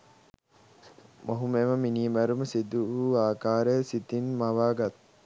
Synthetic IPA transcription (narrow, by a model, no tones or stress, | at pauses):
moɦumeməminiːmæɾuməsid̪uuaːkaːɾəjəsit̪inmaʋaːɡat̪